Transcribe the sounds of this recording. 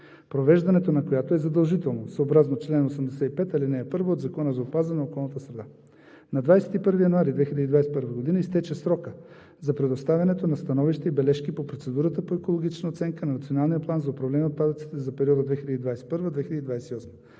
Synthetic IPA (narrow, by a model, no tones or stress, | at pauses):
pɾovɛʒd̪ɐnɛt̪onɐkojat̪oɛzɐd̪ɐlˠʒit̪ɛlˠnosoobɾaznot͡ʃlɛnosəmd̪ɛsɛt̪ipɛt̪ɐlinɛːpɤɾvoːd̪zɐkɔnəzɐopazənɛokɔlˠnət̪əsɾɛd̪a | nɐd̪vajsɛ̥t̪ipɤɾvijɐnoaɾid̪vɛxiləd̪id̪vajsɛ̥pɤɾvəɡod̪inəist̪ɛt͡ʃɛsɾɔkə | zɐpɾɛd̪ost̪avʲɐnɛt̪onɐst̪ɐnɔviʃt̪ɛibɛlɛʃkipopɾot̪sɛd̪uɾət̪əpoɛkolˠoɡ̟it͡ʃnəot̪sɛŋkənɐnɐt̪sionalˠnijəplˠanzɐopɾɐvlɛnʲiot̪̚pad̪ət̪si̥t̪ɛzɐpɛɾiɔd̪əd̪vɛxilʲəd̪id̪vajsɛ̥pɤɾvəd̪vɛxilʲəd̪id̪vajsɛt̪iɔsmə